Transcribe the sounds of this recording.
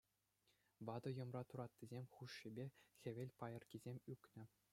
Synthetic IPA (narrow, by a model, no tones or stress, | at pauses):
ʋɑd̪ɤ̆jɤ̆mrɑt̪uɾɑt̪ʲːizʲemʲχuʂːibʲexʲɘ̆ʋʲelʲpɑjɤ̆rkʲizʲemʲykʲnʲɘ̆